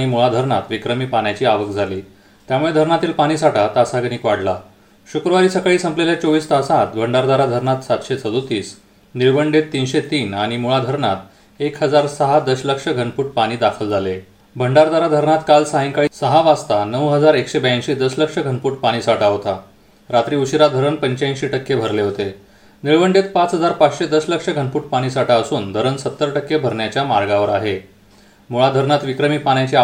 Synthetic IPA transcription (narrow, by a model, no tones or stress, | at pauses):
ɽ̃imuɭad̪ʱəɾɳa̰t̪ʋikɾəmiːpaɳjat͡ɕiːaʋəkd͡zʱaliː | t̪jamuɭed̪ʱəɾɳat̪iːlpaɽ̃iːsaʈat̪asaɡəñiːkʋaɽla | ɕukɾəʋaɾiːsəkɭiːsə̃mpleljat͡ɕoʋiːst̪əsat̪bʱəɳɖaɾd̪aɾad̪ʱəɾɳat̪sat̪ɕet͡sʰəd̪ot̪iːs | niɾbəɳɖet̪ːinɕet̪iːnaɽ̃imuɭad̪ʱəɾɳat̪ | ekɦəd͡zaɾsəɦad̪əsləkʂəɡʱənpuːʈ̚paɽ̃iːd̪akʰəld͡zʱale | bʱəɳɖaɾd̪aɾad̪ʱəɾɳat̪kalsaɦiŋkaɭisəɦaʋast̪anəwɦəd͡zaɾekɕebəjãnɕid̪əsləkʂəɡʱənpuːʈpaɽ̃iːsaʈaɦot̪a | ɾat̪ɾiːuɕiɾad̪ʱəɾənpəɲt͡ɕaĩɕiːʈəkːebʱəɾleɦot̪e | niɭʋəɳɖet̪pat͡sɦəd͡zaɾpat͡sɕed̪əsləkʂəɡʱənpuːʈ̚paɽ̃iːsaʈaəsuːnd̪ʱəɾənsət̪ːəɾʈəkːebʱəɾɳjat͡ɕjamaɾɡaʋəɾaɦe | muɭad̪ʱəɾɳat̪ʋikɾəmiːpanjat͡ɕe